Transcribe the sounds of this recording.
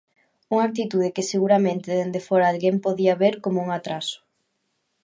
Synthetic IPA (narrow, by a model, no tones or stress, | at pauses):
uŋak̚t̪it̪uð̞ɪkɪseɣuɾamẽnt̪ɪðend̪efoɾaːlɣempoðiaβeɾkomouŋat̪ɾasʊ̥